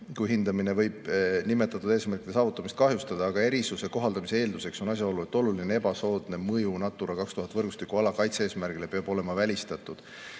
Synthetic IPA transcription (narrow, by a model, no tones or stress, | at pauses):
kujɦind̪ɑmine̞vɤ̞jb̥nimet̪ːˑɑt̪ːˑud̪e̞ːsmærkˑit̪d̪e̞sɑːvut̪ːˑɑmist̪̚kɑɦjust̪ɑd̪ɑːɡ̥ɑe̞ɾisuse̞ko̞ɦɑld̪̥ɑmise̞eːld̪use̞kso̞nɑs̬ʲjɑo̞lːue̞t̪ːˑo̞lulinee̞bɑso̞ːd̪ne̞mɤjunɑt̪ːˑuɾɑkɑkst̪uɦɑt̪ːˑvɤrɡust̪ikːˑuɑlɑkɑjt̪see̞ːsmærɡ̥ile̞peɑbo̞le̞mɑvælʲist̪ɑt̪ːˑud̪̥